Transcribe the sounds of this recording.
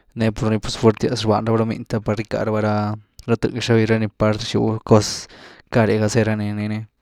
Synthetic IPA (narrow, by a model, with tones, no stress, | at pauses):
ne˧po˧ɾni˧pu˧sfe˧ɾt̪ja˧sɾba̰˧nɾa˦ba˧ɾa˧mḭ˧nt̪a˧pa˧ɾi˧ka̰˧ɾa˧ba˧ɾa˧ɾa˧t̪ɨ̰˧ɡʃa˧βi˧ɾa˧ni˧pa˧ɾʃṵ˧ko˧ska˧ɾe˨ɡa˧se˧ɾa˧ni˧ni˧ne˧